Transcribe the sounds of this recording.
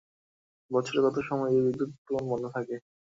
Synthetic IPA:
bɔt͡ɕʰoɾeɡɔt̪oʃɔmɔjebid̪ːut̪ːomonbonːot̪ʰake

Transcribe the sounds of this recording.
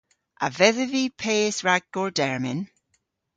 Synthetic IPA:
ʔavɛðəvipʰeːsɹaɡ̚ɡ̥ɔɹdɛɹmɪn

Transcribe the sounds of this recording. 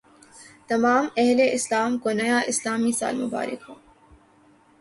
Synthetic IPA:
t̪ɐmaːmɛɦleʔɪslaːmkonɐjaʔɪslaːmisa̰ːlmʊba̰ːɾɪ̰kɦõː

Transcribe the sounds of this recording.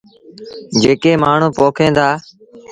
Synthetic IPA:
d͡ʒeːkeːmaːɳ̤ũːpoːkʰẽːd̪aː

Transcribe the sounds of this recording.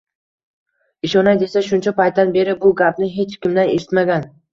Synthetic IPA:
ɪʃɒnajd̪e̞saʃʊnt͡ʃʰapajt̪̚d̪anbe̞ɾɪbʊɡʲap̚nɪɦe̞t͡ʃkʲɪmd̪aneʃɪ̥t̪maɡʲan

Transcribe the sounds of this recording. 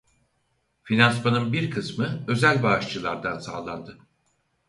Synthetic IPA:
finansmanɯnbiɾkʰɯsmɯø̞zælʲbaːʃt͡ʃɯlˠaɾd̪ansa̰ːlˠand̪ɯ

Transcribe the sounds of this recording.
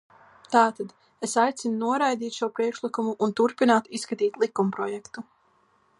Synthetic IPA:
t̪aːt̪ad̪ | esajt̪sinunuɔɾajd̪iːt̪ʃuɔpɾiɛkʃlˠikumuʔːnt̪uɾpinaːt̪iskat̪iːt̪lˠikumpɾɔjɛkt̪u

